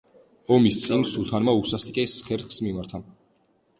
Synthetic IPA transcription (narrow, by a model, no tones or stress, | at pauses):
ɔmist̪sʼimsut̪ʰanmausast̪ʼkʼɛsχɛɾχsmimaɾt̪ʰa